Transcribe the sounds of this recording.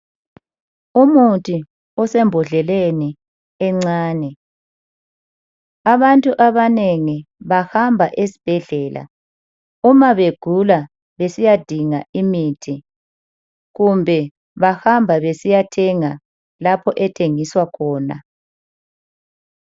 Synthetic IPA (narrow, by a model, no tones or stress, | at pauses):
umutʰʼi | ɔsɛmbʱɔɮɛleni | ɛŋ͡ǀaːnɛ | aβantʼuʔaβaneŋiβahambʱaʔesi̥b̥ʱɛɮɛːlʔa̰ | umaβeɡ̥ʱula | βesijad̥ʱiŋaimiːtʰi | ɣumbʱɛ | βahambʱaβesijatʰɛŋa | lapʰɔʔɛtʰeŋiswakʰɔːna̰